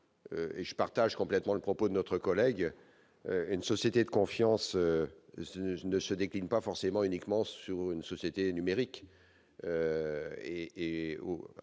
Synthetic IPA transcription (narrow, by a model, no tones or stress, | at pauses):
ø̰eʒəpaʁt̪aʒkɔ̃plɛt̪mɑ̃ləpχɔpod̪ənɔt̪χəkɔlɛɡ | øynsɔsjet̪ed̪əkɔ̃fjɑ̃sø | nəsəd̪eklinpafɔʁsemɑ̃ynikmɑ̃syʁynsɔsjet̪enymeʁik | ø | eː | o̰